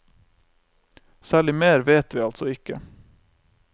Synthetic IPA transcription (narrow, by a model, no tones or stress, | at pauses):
sæːɭɪmeːɾʋeːt̪ʋiːɑlt̪sɔɪkə